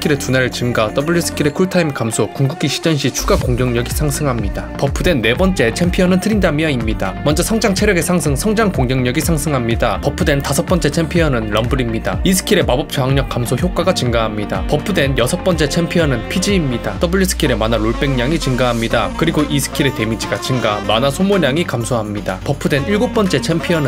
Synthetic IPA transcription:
kʰiɾe̞tunaɾɯɭt͡ɕɯmɡat͈ʌbuʎːisʰɯ̥kʰiɾe̞kʰuɭtʰaimkamsʰokuŋɡukʰiɕʰi̥d͡ʑʌnɕ̬ʰit͡ɕʰuɡakoŋɡjʌŋɲʌɡisʰaŋsʰɯŋɦamɲid̥apʌp͈ʰudwe̞nːe̞bʌnt͡ɕ͈e̞t͡ɕʰempʰiʌnɯntɯɾindamjʌimɲidamʌnd͡ʑʌsʰʌŋd͡ʑaŋt͡ɕʰeɾjʌɡe̞sʰaŋsʰɯŋsʰʌŋd͡ʑaŋkoŋɡjʌŋɲʌɡisʰaŋsʰɯŋɦamɲidapʌp͈ʰːudwe̞ntasʰʌp͈ʌnt͡ɕ͈e̞t͡ɕʰempʰiʌnɯnɾʌmbɯɾimɲida̰isʰɯ̥kʰiɾe̞mabʌp̚t͡ɕʰʌɦaŋɲʌk͈ːamsʰoçjok͈aɡat͡ɕɯŋɡaɦamɲida̰pʌp͈ʰudwe̞njʌsʰʌp͈ʌnt͡ɕ͈e̞t͡ɕʰempʰiʌnɯnpʰid͡ʑiːmɲidat͈ʌbɯɭʎːisʰɯ̥kʰiɾe̞manaɾoɭp͈e̞ŋɲaŋit͡ɕɯŋɡaɦamɲidakɯɾiɡoʔisʰɯ̥kʰiɾe̞te̞mid͡ʑiɡat͡ɕiŋɡamanasʰomoɲaŋikamsʰoɦamɲida̰pʌp͈ʰːudweniɭɡop͈ʌnt͡ɕ͈e̞t͡ɕʰempʰiʌnɯ

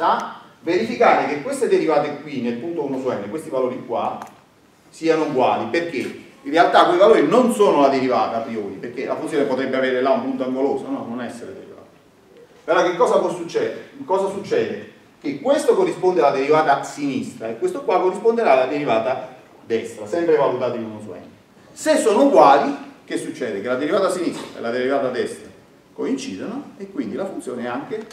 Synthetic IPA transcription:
aveɾifikaːɾekekːwest̪ed̪eɾivaːt̪ekwinelpunt̪ounːoswɛnːekwest̪ivaloːɾikwa̰ | siːanoiɡwa̰ːliperk̟einrealt̪akːweivaloːɾinonsoːnolad̪eɾivaːt̪apɾioːɾipeɾkelʔa̰funsjoːnepot̪ɾɛbːeaveːɾelaumpunt̪oaŋɡoloːsonɔnonɛsːeɾed̪eɾḭva̰ːt̪e̥ | peɾɔkekːɔːsaposut͡ʃːɛkɔːsasut͡ʃːɛːd̪e | k̟ekːwest̪okorːispond̪ealad̪eɾivaːt̪asinist̪ɾaekːwest̪okwakorːispond̪eɾaːlːad̪eɾivaːt̪a | d̪ɛst̪ɾasɛmpɾevalut̪aːt̪oinunoswɛ̰nt̪ | sesːoːnouɡwaːlik̟esːut͡ʃːɛːd̪ekelad̪eɾivaːt̪asinist̪ɾa̰ḛlːad̪eɾivaːt̪ad̪ɛst̪ɾa | koint͡ʃiːd̪onoekːwind̪ilafunt̪sjoːneɛaŋk̟e

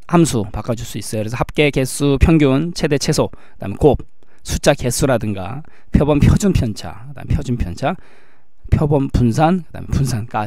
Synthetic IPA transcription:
hamsʰupak͈ad͡ʑuɭs͈uis͈ʌjokɯɾesʰʌhap̚k͈e̞ke̞s͈ʰupʰjʌŋɡjunt͡ɕʰe̞de̞t͡ɕʰe̞sʰo | kɯd̥a̰ːmekob̚ | sʰut͡ɕ͈ake̞sʰuɾadɯŋɡa̰ | pʰjʌbʌmpʰjʌd͡ʑunpʰjʌnt͡ɕʰa̰kɯda̰mepʰjʌd͡ʑunpʰjʌnt͡ɕʰa | pʰjʌbʌnpuns̬ʰankɯd̥a̰mḛpunsʰank͈a

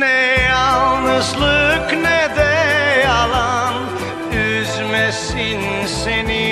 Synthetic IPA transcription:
nɛalˠnɯʃlˠɯknɛd̪ɛjalˠan | yzmɛsin | seni

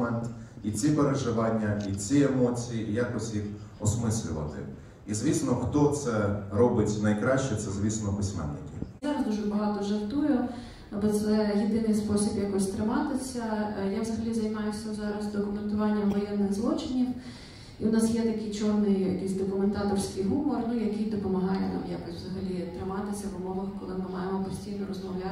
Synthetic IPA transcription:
ɛnt̪it͡sʲipeɾeʒɪʋɑnʲːɐit͡sʲiemɔt͡sʲijijakɔsʲjixɔsmɪsʲlʲʊ̰ʋɐ̰t̪ɪ̰ | izʲʋʲisnɔxt̪ɔt̪sɛɾɔbɪtʲnɐjkɾɑʃt͡ʃɛt̪sɛzʲʋʲisnɔpɪsʲmɛ̰nːɪ̰kʲɪ̰ɑɾɐzd̪uʒɛbɐɦɑt̪ɔʒɐrt̪ujʊ | ɐbɔt̪sɛjɪd̪ɪnɪjspɔsʲibjakɔsʲt̪ɾɪmɑt̪ɪsʲɐjaʋzɐɦɐlʲizɐjmɑjʊsʲɐzɑɾɐzd̪ɔkʊment̪ʊʋɑnʲːɐmʋɐjɛnːɪɣzlˠɔt͡ʃɪnʲiw | iʊnɑsjɛt̪ɐkɪjt͡ʃɔrnɪjjɐ̰kisʲd̪ɔkʊment̪ɑt̪ɔrsʲkijɦumɔrnujɐkijd̪ɔpɔmɐɦɑjɛnɑ̰mjakɔsʲʋzɐɦɐlʲit̪ɾɪmɑt̪ɪsʲɐʋʊmɔʋɐxkɔlˠɪmɪmɑjemɔpɔsʲtʲijnɔɾɔzmɔwlʲa

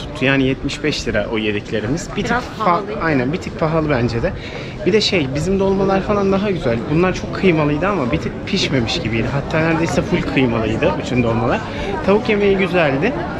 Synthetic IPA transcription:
u̥t̪ʰːujaːnijɛt̪miʃbɛʃlʲiɾa̰ʔojed̪ɛcʰlʲe̞ɾimiz̥bit̪ʰi | ajnænbit̪ʰik̚pʰaɦalˠɯbænd͡ʒed̪ɛ | b̥id̪ɛʃejbizimd̪o̞lˠmalˠaɾfalˠand̪aɦaɟyzælʲd̪bunlˠaɾt͡ʃʰo̞kʰːɯjmalˠɯjd̪ɯamabit̪ʰic̚pʰiʃme̞miʃɟibijd̪ɪɦat̪ʰːaːnæɾd̪ejsɛfʰulʲkʰɯjmalˠɯjd̪ɯyt͡ʃʰynd̪o̞lˠmalˠaɾ̥ | t̪ʰaβukje̞me̞jiɟyzælʲd̪ɪ

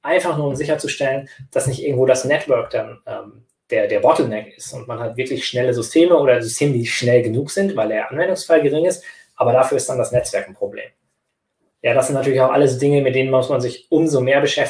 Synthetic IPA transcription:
ʔaɪnfaχnuːɐʊmzɪçɐt͡suʃtɛlənd̥asnɪçt̚ʔɪɐɡŋ̩tvoːdasnɛtv̥œɐkd̥anʔɛːm | d̥eːɐdeːɐbɔtl̩nɛkɪstʊntmanhatvɪɐklɪçʃnɛləzʏstʰeːməoːɾɐzʏstʰeːmədiːʃnɛlɡənuːkz̥ɪntv̥aɪldeːɐʔanvɛndʊŋsfalɡəʁɪŋɪst | ʔaːbɐdafyːɐɪstd̥andasnɛt͡sv̥ɛɐkn̩pʁ̥oblḛːm | jaːdaszɪntnatyːɐlɪçaʊxʔa̰ləs̬odɪŋəmɪt̚d̥eːnənmʊsmanzɪçʔʊmzomeːɐbəʃɛf

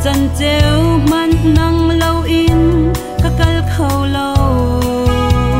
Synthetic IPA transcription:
t͡sɐnt͡sɛwmɐnnɐŋlowʔɪn | kəkɐlkʰowlow

